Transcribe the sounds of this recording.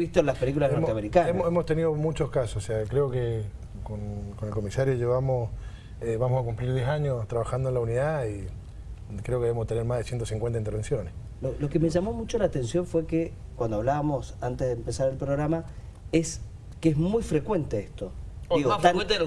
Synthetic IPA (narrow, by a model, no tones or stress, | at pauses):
ist̪oenlaspelik̬ulaznoɾt̪eameɾikanememost̪eniðomut͡ʃoskasososeakɾeoke | konkonelkomisaɾjoʒeβamos | βamosakumpliɾd̪jesaɲost̪ɾaβaxand̪oenlauniðai | kɾeokeeost̪eneɾmahðesjent̪osĩŋkwent̪aint̪eɾβensjo̞nes | lolo̞kemeʒamo̞mut͡ʃo̞laːt̪ensjo̞ɱfwe̞kekwand̪oaβlaβamo̞sant̪ezðempe̞saɾelpɾoɣɾama | es | keezmujfɾe̞kwe̞nt̪eest̪oiɣot̪a